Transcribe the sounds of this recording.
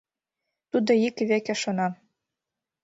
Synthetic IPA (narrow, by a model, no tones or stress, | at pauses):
t̪ud̪ŏikβekĕʃonɑ